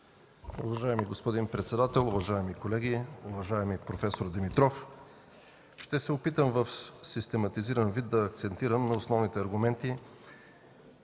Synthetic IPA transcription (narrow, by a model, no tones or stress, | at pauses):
uvɐʒaɛmiɡospod̪inpɾɛt̪sɛd̪at̪ɛlˠuvɐʒaɛmikolɛɡʲiuvɐʒaɛmipɾofɛsoɾd̪ɛmit̪ɾɔf | ʃt̪ɛsɛʊpit̪əmvəfsist̪ɛmɐt̪iziɾɐnvid̪̚d̪ɐːkt̪sɛnt̪iɾəmnɐʊsnɔvnit̪ɛɐɾɡʊmɛnt̪i